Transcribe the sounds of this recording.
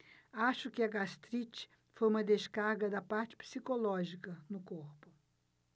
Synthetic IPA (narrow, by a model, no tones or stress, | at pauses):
aʃʊkɪɐɡast̪ɾit͡ʃɪ̥ | fojũmɐd̪eskaɾɡɐd̪ɐpaɾt͡ʃɪ̥psikolɔʒikɐnʊkoɾpʊ